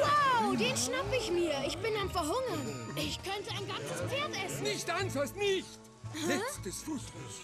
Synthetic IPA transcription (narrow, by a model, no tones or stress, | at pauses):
waʊdeːnʃnapfəɪçmiːɐʔɪçb̥ɪnaɪnfɛɐɦʊŋɐnʔɪçkʰœntəaɪnɡant͡səspfeːɐtʔɛsn̩nɪçtansɔsnɪçt | jɛt͡stəsfuːtɔ